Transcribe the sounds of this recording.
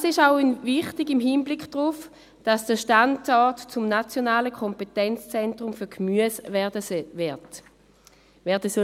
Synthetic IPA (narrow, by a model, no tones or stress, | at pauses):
sɪʃaʊnvɪχtɪɡɪmɦiːnblɪkʰd̥ʁuf | d̥asd̥əʃtandɔɐtt͡sʊmnat͡sjɔnaːləkʰɔmpetɛnt͡st͡sɛntʁ̥ʊmfyːɐɡmyəsɛdət | vɛɐdəsɔ